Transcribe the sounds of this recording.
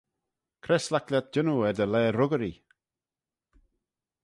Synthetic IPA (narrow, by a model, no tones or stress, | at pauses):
kʰɾɛslakljat̪̚d͡ʒ̥ɪnuɛd̪əlɛːɾʊɡəɾi